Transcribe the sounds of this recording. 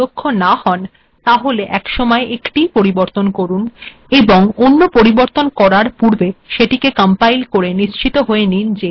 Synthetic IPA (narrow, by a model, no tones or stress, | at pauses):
okʰːonahɔn | t̪aɦoleʔɛkʃɔmɔeʔekʈipoɾiboɾt̪onkoɾun | eboŋonːopoɾiboɾt̪onkɔɾaɾpuɾbeʃeʈikekampajlkoɾeniʃt͡ɕit̪oɦoenind͡ʑe